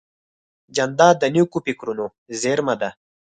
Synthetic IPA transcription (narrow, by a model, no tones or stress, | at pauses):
d͡ʒɐnd̪aːd̪ɐnukupikɾuno | zeɾmɐd̪a